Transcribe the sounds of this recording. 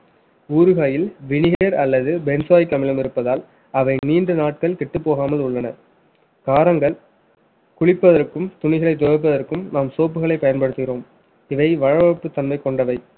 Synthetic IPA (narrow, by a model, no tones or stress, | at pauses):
uːɾɯɣaːjɪlʋɪɳɪɣeɾɐlːɐðɯbɛnsaːjkːɐmɪlɐmɪɾɯpːɐðaːl | ɐʋɐɪniːndrɯnaːʈ̚kɐɭkɛʈːɯpːoːɣaːmɐlʊɭːɐnɐ | kaːɾɐŋɡɐɭ | kʊɻɪpːɐðɐrkːɯmt̪ʊɳɪɣɐɭɐɪt̪̬ːɔʋɐɾp̬ːɐðɐrkɯmnaːmsoːp̬ːɯɣɐɭɐɪpːɐjɐnpɐɽɯt̪ːɪɣɪɾoːm | ɪʋɐɪʋɐɻɐʋɐpːɯt̪ːɐnmɐɪkɔɳɖɐʋɐɪ